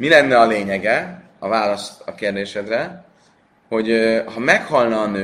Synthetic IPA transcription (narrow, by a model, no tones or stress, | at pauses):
milɛnːɛɒleːɲɛɡɛ | ɒvaːlɒst̪ɒkeːrd̪eːʃɛd̪rɛ | ho̞ɟøhɒmɛkhɒlnɒːnøː